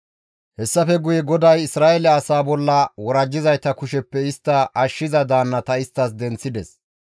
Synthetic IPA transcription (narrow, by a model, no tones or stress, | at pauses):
hɛsːɐfɛɡʊjɛɡɔd̪ɐjɪsɾaːʔɛlɛɐsaːbɔlːɐwɔɾɐd͡ʒːɪzɐjt̪ɐkʊʃɛpːɛɪst̪ːɐɐʃːɪzɐd̪aːnːɐt̪ɐɪst̪ːɐs̬d̪ɛnt͡sːɪd̪ɛs